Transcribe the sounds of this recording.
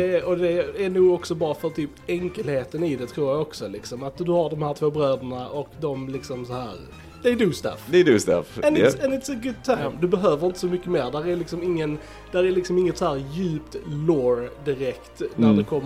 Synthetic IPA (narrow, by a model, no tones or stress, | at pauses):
ɛɔd̪ɛæɳuːɡɔksɔbɑːɾafœɾt̪ʰyːpɛŋkəlheːt̪ənɪd̪ɛt̪ʰɾuːɾjaɡɔksɔlɪksɔmat̪̚d̪ɵhaɖɔmhæːɾʈ̪ʰvoːbɾøːd̪əɳaʔɔkd̪ɔmlɪksɔmsɔhæːɾ | d̪̥ɛːɖ̪ʉːst̪æ̰fd̪ɛɛd̪ʉːst̪ɛ̰fɛnɪsɛnɪt̪səɡʊd̪̚t̪ʰaɪmd̪ɵbɛɦøːvəɾɪnt̪ə̥sɔmʏkːəmeːɾɖ̪æɾæɾlɪksɔmɪŋːən | d̪̥æɾæɾlɪksɔmɪŋːət̪sɔhæːɾjʉ̟ːpt̪loːɾd̪ɪɾɛkt̪næd̪ɛkʰɔmː